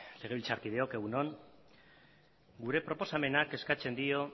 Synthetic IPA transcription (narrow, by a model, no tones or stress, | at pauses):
le̞ɣe̞β̞ilt͡saɾkið̞e̞o̞ke̞ɣ̞unoŋ | ɡuɾe̞pɾo̞po̞same̞nake̞skat͡se̞nd̪io̞